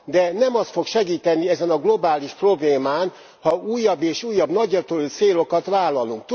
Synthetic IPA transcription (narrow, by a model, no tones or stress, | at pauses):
d̪ɛnɛmɒst̪fo̞kʃɛɡiːt̪ɛnːiɛzɛnɒɡlo̞baːliʃpro̞bleːmaːn | hɒuːjːɒbːeːʃuːjːɒbnɒɟːɒt̪olt̪seːlo̞kɒt̪ʋaːlːɒluŋk̚t̪